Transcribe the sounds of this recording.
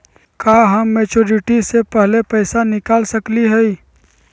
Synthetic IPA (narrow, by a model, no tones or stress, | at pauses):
kaːɦəmːeːt͡ʃoːɾɪʈisepɛɦlepɛɪsanɪkaːlsəkliɦɛi